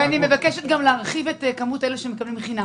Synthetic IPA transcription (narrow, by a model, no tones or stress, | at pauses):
anime̞vakeʃet̪ɡamleaʁχivetekamuteleʃemekablimχina